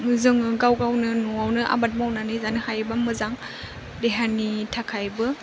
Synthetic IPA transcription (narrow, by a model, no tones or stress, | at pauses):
zɯŋɯɡawɡawnɯnɔawnɯʔa̰bat̚mawnanɯjzanɯhajbamɯzaŋ | deɦanitʰakʰajbɯ